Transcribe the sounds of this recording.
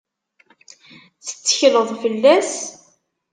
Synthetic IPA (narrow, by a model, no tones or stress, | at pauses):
θə̥t͡sːə̥çləðˤfəlːæs